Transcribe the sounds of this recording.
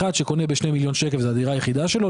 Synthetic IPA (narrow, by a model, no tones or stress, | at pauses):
ad̪ʃeko̞nebeʃnejmiljo̞nʃekefzead̪iʁaːjeχid̪aʃelo